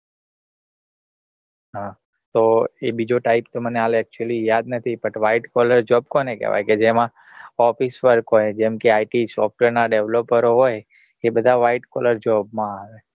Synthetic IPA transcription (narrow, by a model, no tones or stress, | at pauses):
ɦã | t̪oebid͡ʒoʈaipt̪oməneɦaleɛk̚t͡ʃuəlijad̪nət̪ʰipəʈʋaiʈkɔləɾd͡ʒɔb̚konekɛ̰ʋa̰jked͡ʒemã | ɔfisʋəɾkɦojd͡ʒɛmkeaiʈisɔfʈʋeɾnaɖeʋlopəɾoɦoj | ebəd̪ʱaʋaiʈkɔləɾd͡ʒɔbmãaʋe